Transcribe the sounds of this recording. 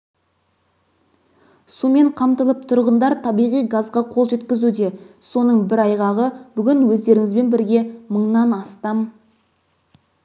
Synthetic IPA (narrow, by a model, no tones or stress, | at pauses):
sume̞ɴqʰɑmt̪əlˠəp̚t̪ʰʊɾʁənd̪ɑɾt̪ʰɑbijʁijɡɑzʁɑqʰolˠʒe̞t̪kʲɪzud̪e̞so̞nəɴbɪɾɑjʁɑʁəb̥ʏɡʲɪnwɵzd̪e̞ɾɪŋɪzbe̞nbɪɾɡʲe̞məɴnɑnɑst̪ɑm